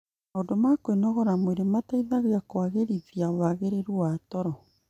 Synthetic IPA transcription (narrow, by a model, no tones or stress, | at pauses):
aodɔmakwenɔɣɔɾamoeɾemataiðaɣakwaɣeɾiðiaowaɣeɾeɾuatɔɾɔ